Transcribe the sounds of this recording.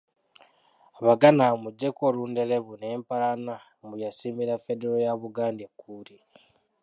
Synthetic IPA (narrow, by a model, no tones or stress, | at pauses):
βaɡanamud͡ʒekoɾuːnde̞leβune̞ːmpaɾana | mujasimiɾafedeɾojaβuɡaːndekuːɾi